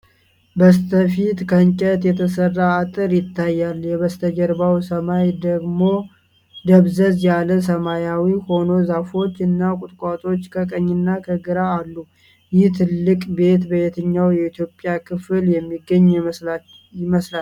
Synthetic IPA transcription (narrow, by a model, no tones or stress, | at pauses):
bəst̪ʰəfit̪kʰəɨŋt͡ʃʼɛt̪jɛt̪ʰəsərːaːt̪ʼɨɾjɪt̪ʰːajːaljɛβəst̪ʰəd͡ʒəɾbawsəmajd̪əɡmo̞ | d̪əβzəzjaləsəmajawiho̞no̞zafo̞t͡ʃːɨnːakʼʊt̪ʼkʷʼat̪ʼo̞t͡ʃːkʰəkʼəɲːɪnːakʰəɡɨɾaːlːu | jɪht̪ʰɨlːɨkʼbe̞t̪bəet̪ʰəɲːawjɛit̪ʰjo̞pʼjakʰɨfljɛmːiɡːəɲː | ɪməsla